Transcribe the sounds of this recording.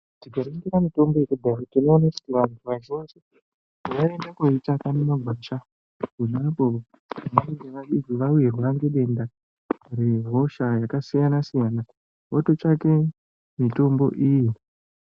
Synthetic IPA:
tiɡaɾiŋɡiɾamito̞mbo̞ekubʱautino̞ːnaku̥tiʋantʰuʋat͡ʃose | ʋaendakoitakanomaɡʱwaʃa | kunaapoʋa | naeŋɡeʋaid͡ziʋaujerweʋaŋɡe̞ɗe̞nda | re̞ro̞ʃajakasijanasijana | woto̞t͡ʃake̞ | mito̞mbo̞̰ʔiːji

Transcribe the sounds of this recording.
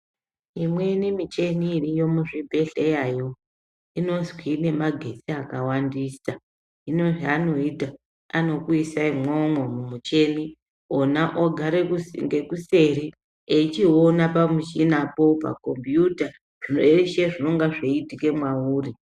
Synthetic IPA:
imwe̞nimit͡ʃe̞niːrijo̞muʐibʱe̞ɬejaːjo̞ | ino̞zwine̞maɡʱe̞siakawandiːsa | ino̞ʐiano̞ita | ano̞kuisaimwomomumut͡ʃe̞ni | onaʔoɡʱaɾeŋɡe̞kuse̞ɾi | eit͡ʃio̞napamuʃinapo̞pa̰ko̞mbjuta | ʐ̥inoeeʃeʐino̞ŋɡaʐeitike̞mwauːri

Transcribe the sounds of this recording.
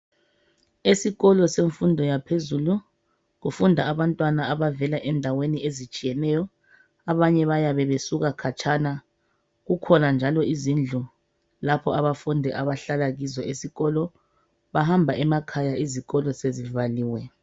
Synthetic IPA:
esiɣɔlɔseɱfundʱɔjapʰezulu | ɣufundʱaaβantʼwanaaβavɛlaʔɛndʱaweniezit͡ʃʼijɛnɛjɔ | aβaɲɛβajaβɛβesuɣakʰat͡ʃʰʼana | ɣukʰɔnand͡ʒʱalɔizind͡ɮʱu | lapʰɔaβafundʱɛʔaβaɬalaɣizɔesiɣɔlɔ | βahambʱaʔɛmakʰajaiziɣɔlɔsezivaliːwɛ

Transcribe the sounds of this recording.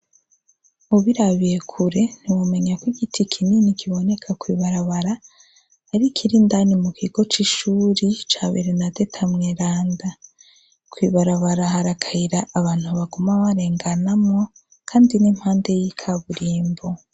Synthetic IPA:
muβiɾaβiɾekʰuɾe̞n̥iwume̞ɲakwiɡitʰikʰininikʰiβo̞ne̞kʰakwiːβaɾaβaɾaː | ɾikʰiɾindanimukʰiɡo̞t͡ʃiʃuːɾit͡ʃaːβeɾenade̞tʰamŋeɾaːnda | kʰwiβaɾaβaɾahaɾakʰaiɾaːβaːn̥huβaɡomaβaɾe̞ːŋɡanamŋo̞ | kʰaːndinim̥haːnde̞jikʰaβuɾiːmbo

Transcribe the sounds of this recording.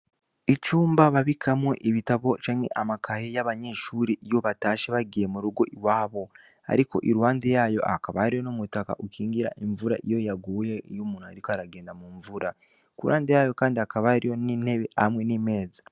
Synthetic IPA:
it͡ʃuːmbaβaβikʰamweʔiβitaβo̞t͡ʃaːŋhe̞̰ʔamakaɾejaβaɲe̞ʃuːɾeʔijo̞βataːʃeβaɡijemuɾuɡo̞ʔiwaːβo̞ | a̰ɾiko̞̰ʔiɾwaːndejajo̞̰ʔakaβaaɾijo̞nomutaka̰ʔukʰiːŋɡiɾa̰ʔeɱvuɾa̰ʔijo̞jaɡujeijumuːn̥huaɾikoaɾaɡe̞ːndamuɱvuɾa | kuɾuwʔa̰ːndejajo̞kaːndiakaβaɾijonineβeahamwe̞nime̞ːzḁ

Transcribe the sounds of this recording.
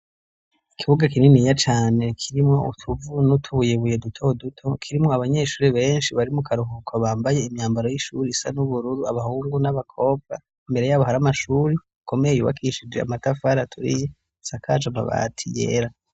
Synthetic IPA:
ikʰiβuɡakininijat͡ʃaːne̞kʰiɾimŋo̞ṵtʰuvunutʰuβujeβuje̞dutʰo̞dutʰo̞kʰiɾimŋo̞aβaɲe̞ːʃuːɾiβe̞ːnʃiβaɾimukʰaɾuɦukʰwaβaːmbaje̞imɲaːmbaɾo̞jiʃuɾiisa̰nuβuɾuɾuaβahuːŋɡunaβakʰo̞ːb̚ɡa | imbe̞ɾe̞jaːβoɦaɾamaʃuːɾi | kʰo̞mejjuβa̰kʰiʃid͡ʒea̰matafaɾatʰuɾḭje | sakʰat͡ʃama̰βa̰tʰije̞̰ːɾa

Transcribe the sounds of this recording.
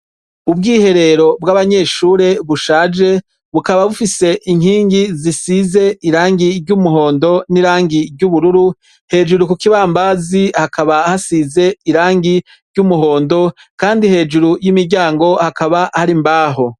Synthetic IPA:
ub̚ɡiːhe̞ɾe̞ɾo̞b̚ɡaːβaɲe̞ːʃuːɾe̞βuʃaːd͡ʒe̞ | βukaβaβufise̞ʔiŋ̥hiːŋɡizisize̞iɾaːŋɡiɾɟumuɦo̞ːndo̞niɾaːŋɡiɾɟuβuɾuɾu | he̞ːd͡ʒuɾukukiβaːmbazihakʰaβahasize̞iɾaːŋɡi | ɾɟumuɦo̞ːndo̞ | kaːndihe̞ːd͡ʒuɾujimiɾɟaːŋɡo̞hakaβahaɾimbaːɦo

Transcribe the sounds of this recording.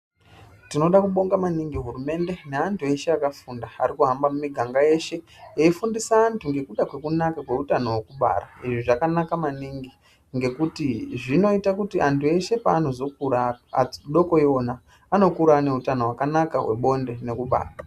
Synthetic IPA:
tino̞ɗakuɓo̞ŋɡamaniŋɡiɦuɾume̞ndene̞antʰue̞ʃeakafundaa̰ɾikuɦambamumiɡʱaŋɡaje̞ʃe̞ | eifundisaːntʰuŋɡe̞kuɗakwe̞kunakakwe̞utano̞wekuɓa̰ra̰iʐiʐakanakamaniŋɡi | ŋɡe̞kutiʐino̞itakutiʔantʰue̞ʃe̞paːno̞zo̞kuɾaɗo̞ko̞ionaː | no̞kuɾane̞utano̞wakanaka̰we̞̰ɓo̞nde̞ne̞kuɓa̰ːra

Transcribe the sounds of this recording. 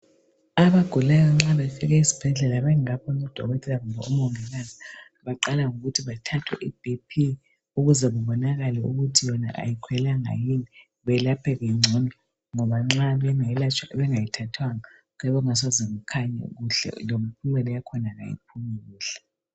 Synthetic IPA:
aβaɡ̥ʱulajɔŋ͡ǁaβɛfɛɣ̬ɛisi̥b̥ʱɛɮɛlaβɛŋapʰɔnɔd̥ʱɔ̰ɣɔtʰɛlaŋumbʱa̰umɔŋɛlana | βaǃalaŋuɣutʰiβatʰatʰwɛ̰ʔib̥ʱipʰi | uɣuzɛβuβɔnaɣalɛuɣutʰijɔna̰ʔa̰jikʰwɛlaŋa̰jini | βɛlapʰɛɣɛŋ͡ǀʱɔnɔ | ŋɔβaŋ͡ǁaɛβɛŋajitʰatʰwaŋa | kɛβɔŋas̬ɔzɛŋukʰaɲa̰ɣuɬɛ̰lom̩pʰumɛlɛjakʰɔnaŋa̰jḭp̚ʰumiɣuːɬɛ

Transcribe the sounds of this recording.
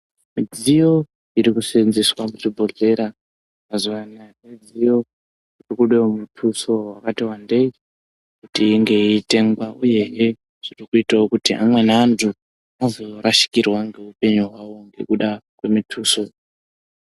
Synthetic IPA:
mid͡zijo̞ | iɾikusenziswamut͡ʃibʱo̞ɮe̞ɾa | mazuʋanamed͡zijo̞ | irikuɗemutʰuso̞wakatiwande̞i | kutiːŋɡe̞iːte̞ŋɡwaʔuje̞ɦe | ʐ̥irikuitaokutiʔa̰mwe̞naːntʰu | anozoɾaʃi̥kirwaŋɡe̞upe̞ɲuɦwawo̞ŋɡe̞̰kuɗakwe̞mitʰuso̞

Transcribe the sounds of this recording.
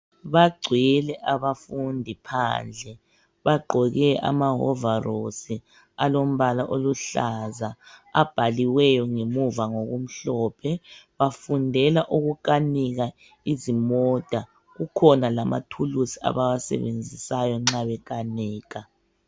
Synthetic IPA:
βaɡ͡ǀʱwilɛʔaβafundʱipʰa̰ːnd͡ɮʱɛ | βaɡ͡ǃʱɔɣɛʔa̰maɦɔ̰varosi | alom̩βalaʔoluɬazaa̰b̥ʱaliwɛjɔŋemuvaŋoɣum̩ɬɔpʰɛβafundʱɛlaʔuɣukaniɣa | izimɔd̥ʱa | ɣukʰɔnalama̰tʰulusi̥a̰βawasɛ̰βend͡zʱisajɔŋ͡ǁaβɛkaniːɣa

